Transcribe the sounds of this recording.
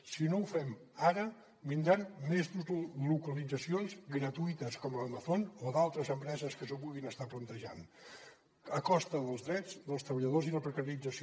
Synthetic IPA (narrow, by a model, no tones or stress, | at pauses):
sinoufɛmaɾə | mind̪ɾanmezlukəlid͡zəsionzɡɾət̪uit̪əskɔmləməθonoðalˠt̪ɾəzəmpɾɛzəskəsopuɣinəst̪aplənt̪əʒa̰n | əkɔst̪əðəlˠzðɾɛd͡zd̪əlˠst̪ɾəβəʎəðoziləpɾəkəɾiid͡zəs